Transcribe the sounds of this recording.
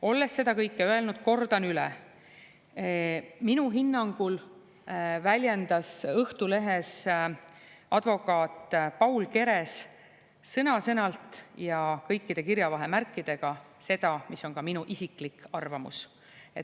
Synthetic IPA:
o̞lːe̞sːe̞d̪ɑkɤjkːˑeøe̞lnud̪̥ko̞rd̪̥ɑnylɛ̰ | minuɦinːɑŋɡ̥ul | vælʲje̞nd̪ɑsɤht̪ule̞ɦes | ʔɑd̪vo̞kˑɑːt̪ˑpɑwlke̞ɾe̞s | sɤnɑsɤnɑlt̪ˑjɑkɤjkːid̪e̞kiɾjɑvɑɦe̞mærkːˑid̪̥e̞ɡ̥ɑse̞d̪̥ɑmiso̞nkɑminuʔisiklikːˑɑrvɑmṵs | e̞̰t̪

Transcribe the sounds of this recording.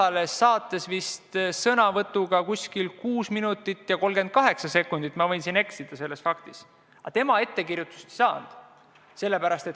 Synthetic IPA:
ɑlesːɑːt̪ːˑe̞svist̪sɤnɑvɤt̪ːˑuɡ̥ɑkusʲkilkuːsminut̪ːˑit̪ːjɑko̞lɡ̥e̞nd̪̥̚kɑɦe̞ksɑse̞kːˑund̪̥it̪ːˑmɑvɤjnsine̞ksid̪̥ɑse̞lːe̞sfɑkt̪is | ɑ̰t̪e̞mɑe̞t̪ːe̞kirjut̪ːˑu̥st̪i̥sɑːnd̪̥ | se̞lːe̞pæɾɑst̪e̞t̪

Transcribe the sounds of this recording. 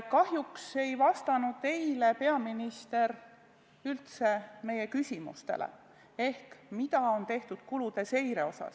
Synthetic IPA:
kɑɦjukse̞jvɑst̪ɑnud̪̥̚t̪e̞jlepe̞ɑminist̪e̞ɾ | ylt̪se̞me̞je̞kysʲimṵst̪e̞̰lḛ | e̞hkmit̪ɑo̞nt̪e̞ht̪ud̪̥̚kulud̪̥e̞se̞jɾe̞o̞sɑ̰s

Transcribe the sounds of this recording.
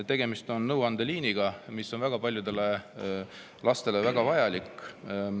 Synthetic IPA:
t̪e̞ɡ̥e̞mist̪o̞nnɤwɑnd̪̥eliːniɡ̥ɑmisːo̞nvæɡ̥ɑpɑlʲjud̪̥e̞le̞ | lɑst̪e̞le̞væɡ̥ɑvɑjɑlikːˑ

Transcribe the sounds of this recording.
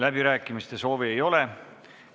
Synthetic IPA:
læbiɾæːkːˑimist̪e̞so̞ːviejo̞le̞

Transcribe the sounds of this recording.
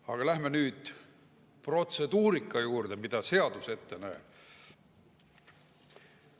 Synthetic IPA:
ɑ̰ɡ̥ɑlæhmenyːd̪̥ | pro̞t̪se̞d̪̥uːɾikːˑɑjuːrd̪̥e̞mid̪̥ɑse̞ɑd̪̥use̞t̪ːe̞næ̥ː

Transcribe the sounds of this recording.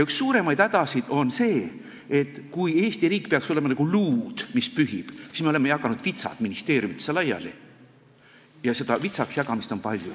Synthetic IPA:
ykssuːɾe̞mɑjd̪̥æd̪ɑsid̪̥o̞nse̞ː | e̞t̪ːˑkuje̞ːst̪iriːkːˑpe̞ɑkso̞le̞mɑnɑɡ̥uluːd̪̥mispyɦib̥si̥smeolemejɑkɑnud̪̥vit̪sɑ̰t̪minist̪e̞ːɾjumit̪ːe̥selɑjɑ̰li | jɑse̞d̪ɑvit̪sɑksjɑɡɑmist̪o̞mpɑlʲju

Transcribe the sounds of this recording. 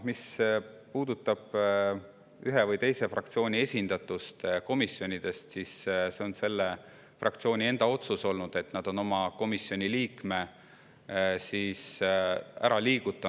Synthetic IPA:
mispuːd̪ut̪ːˑɑb̥ | yɦe̞vɯjt̪e̞jse̞frɑk̚t̪sio̞ːnʲie̞sʲind̪̥ɑt̪ːˑust̪ko̞misːjo̞nʲid̪̥e̞st̪sisse̞o̞nse̞lːe | frʔɑ̰kt̪sio̞ːnʲie̞nd̪ɑo̞t̪suso̞lnud̪̥e̞t̪ːnɑd̪̥o̞no̞mɑko̞misːjo̞nʲiliːkme̞ | siːs | æ̰ɾɑliːɡ̥ut̪ːˑɑ

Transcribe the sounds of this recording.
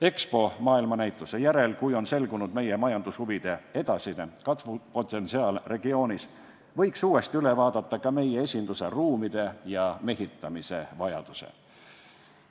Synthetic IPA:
e̞kspo̞mɑːilmɑnæjt̪ːˑuse̞jæɾe̞lkujo̞nse̞lɡunud̪me̞jemɑjɑnd̪̥ushuvid̪̥e̞e̞d̪̥ɑsinekɑt̪vupo̞t̪ːe̞nsiɑːlre̞ɡio̞ːnis | vɤ̞jksuːe̞st̪iyle̞vɑːd̪̥ɑt̪ːɑkɑme̞je̞e̞sʲind̪̥use̞ruːmid̪̥e̞jɑme̞ɦit̪ːˑɑmise̞vɑjɑ̰d̪̥usḛ

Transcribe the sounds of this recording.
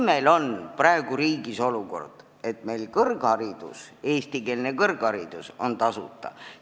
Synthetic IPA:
me̞lo̞nprɑe̞ɡ̥uɾiːɡiso̞luko̞̰rd̪̥ | e̞t̪me̞jlkɤrɡɑɾid̪̥ṵse̞ːst̪ike̞ːlnekɤrɡ̥ɑɾid̪̥uso̞̰nt̪ɑsut̪ˑːɑ̰

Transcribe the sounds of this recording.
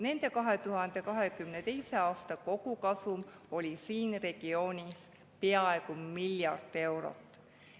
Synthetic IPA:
ne̞nd̪̥e̞kɑɦe̞t̪uɦɑnd̪̥e̞kɑɦe̞kymne̞t̪e̞jse̞ɑːst̪ɑko̞ɡ̥ukɑsum | o̞lʲisiːnre̞ɡ̥io̞ːnʲis | peɑe̞ɡ̥umiljɑ̰rd̪ˑe̞wɾo̞̰t̪ːˑ

